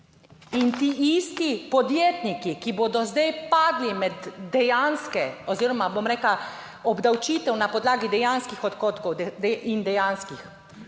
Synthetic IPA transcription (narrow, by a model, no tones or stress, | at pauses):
int̪iist̪ipɔd̪jeːt̪nikikiboːd̪ɔzd̪ɛjpaːd̪limɛd̪ːɛjanskɛɔziːɾɔmabomɾɛːkla | ɔbd̪awt͡ʃiːt̪ɛwnapɔd̪laːɡid̪ɛjanskixɔt̪koːt̪kɔwd̪ɛɛind̪ɛjaːnskix